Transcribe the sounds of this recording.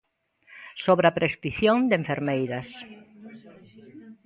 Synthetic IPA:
soβɾapɾʔest̪ɾiθjõŋd̪eɱfeɾmejɾɐs

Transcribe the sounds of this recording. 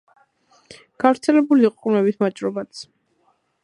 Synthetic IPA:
ɡ̥avɾt̪sʰɛlɛbuliqʼqʼmɛbismat͡ʃʼɾɔbat̪sʰ

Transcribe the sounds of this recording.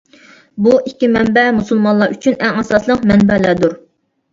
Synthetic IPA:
buʔikʲːimɛnbɛmusulˠmɑnlˠɑɾyt͡ʃʰynɛŋɛsɑslˠəqmɛnbɛlæd̪uɾ

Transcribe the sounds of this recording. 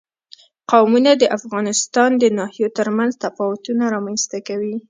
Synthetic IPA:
qawmunad̪əʔafɣɑnɪst̪ɑnd̪ənɑhijot̪əɾmanzt̪afɑwʊt̪unaɾɑmanst̪akawi

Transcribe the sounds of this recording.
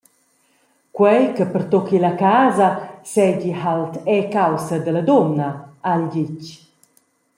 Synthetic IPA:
kwɛjkəpəɾt̪ɔkilakaːzɐsɛɟihalt̪ɛkawsəd̪ələd̪ɔnaalɟic

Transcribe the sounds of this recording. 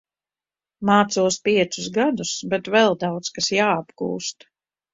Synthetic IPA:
maːt̪suɔspiɛt̪suzɡad̪usbɛt̪vɛlˠd̪awt̪skasjaːabɡṵːst̪

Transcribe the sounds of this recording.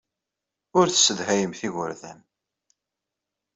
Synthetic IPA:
ʊɾθə̥sːəðhæjəmθiɣʊ̰ɾðæ̰m

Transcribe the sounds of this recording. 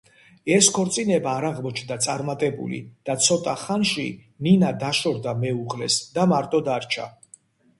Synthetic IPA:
ɛskʰɔɾt̪sʼinɛbaːɾaʁmɔt͡ʃʰnd̪at̪sʼaɾmat̪ʼɛbṵlḭd̪̥at̪sʰɔt̪ʼaχanʃḭ | ninad̪aʃɔɾd̪amɛuʁlɛsd̪amaɾt̪ʼɔd̪aɾt͡ʃʰa̰

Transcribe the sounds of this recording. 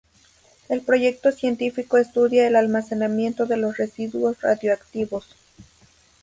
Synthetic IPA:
e̞lpɾo̞ʝe̞k̚t̪osje̞nt̪ifikoest̪uðjaelalmasenamje̞nt̪oðelosresiðuosra̰ðjoakt̪iβos

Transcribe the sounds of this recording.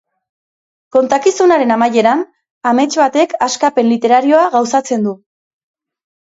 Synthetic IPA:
ko̞nt̪akisunaɾe̞namaje̞ɾan | ame̞t͡ʃβat̪e̞kaskape̞nlit̪e̞ɾaɾio̞aɣawsat͡se̞nd̪u

